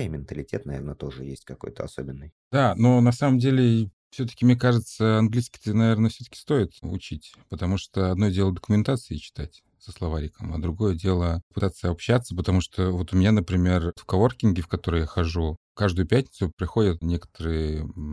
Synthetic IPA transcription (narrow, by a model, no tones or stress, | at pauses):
imʲɪnt̪əlʲɪtʲet̪nɐvʲernət̪o̞ʐɨ̰jḛsʲtʲkɐko̞jt̪ə̰ɐ̰sobʲɪnːɨjd̪ano̞nɐsaməmdʲelʲɪ | fsʲɵt̪ə̥kʲɪmnʲekaʐɨt̪səɐnɡlʲiskʲɪ̥t̪ənɐvʲe̞rnəfsʲɵt̪ə̥kʲɪ̥st̪o̞ɪt̪ʊ̰t͡ɕitʲ | pət̪ɐmuʂt̪oɐd̪no̞dʲe̞lˠəd̪əkʊmʲɪnt̪at̪sɨɪt͡ɕɪ̥t̪atʲ | səslˠɐvaɾʲɪkəmɐ̰d̪ɾʊɡo̞jədʲe̞lˠəpɨt̪at̪sːəɐpɕːat̪səpət̪ɐmuʂt̪ovo̞t̪ʊmʲɪnʲanəpɾʲɪmʲe̞rtfkɐvorkʲɪnɡʲɪfkɐt̪o̞ɾəjaxɐʐu | kaʐd̪ʊjʊpʲætʲnʲɪt̪sʊpɾʲɪxo̞dʲət̪nʲe̞kə̥t̪əɾɨjə